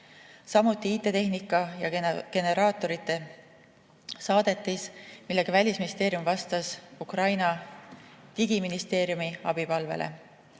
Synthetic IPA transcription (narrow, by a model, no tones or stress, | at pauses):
sɑmut̪ːˑiit̪ːˑe̞t̪e̞ɦnikːˑɑjɑke̞ne̞ɾɑːt̪ːˑo̞ɾit̪ːˑe̞ | sɑːd̪̥e̞t̪ˑːismilːe̞ɡ̥ɑvælʲisminist̪e̞ːɾijumvɑst̪ɑsukrɑjnɑ | t̪iɡiminist̪e̞ːɾjumiɑ̰b̥ipɑlvḛlḛ